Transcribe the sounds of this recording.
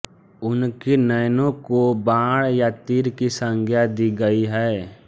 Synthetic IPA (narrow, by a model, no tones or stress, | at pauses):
ʊnkenəjnõkobãːɽjat̪iːɾkisə̃ŋɡʱjad̪iɡəiɦɛː